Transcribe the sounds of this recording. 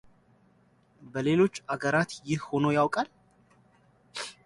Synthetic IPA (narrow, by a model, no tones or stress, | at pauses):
bəle̞lo̞t͡ʃːaɡəɾat̪jɪhho̞nojawkʼal